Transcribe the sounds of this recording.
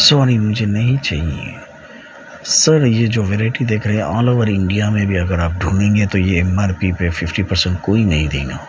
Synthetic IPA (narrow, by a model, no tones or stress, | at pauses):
sɔːɾimʊd͡ʒʱenɐɦĩt͡ʃaːɦiḛ | səɾjed͡ʒoːʋeːɾaːɪʈid̪eːkʰɾəɦeɛ̃ɔːloʋəɾɪ̃ɳɖijamẽbʱiɐɡəɾaːp̚ɖʱũːnẽːŋɡet̪ojeɪmaɾpipefɪfʈipəɾsə̃ɳʈ̚koːinɐɦĩd̪ḛ̃ːŋɡaː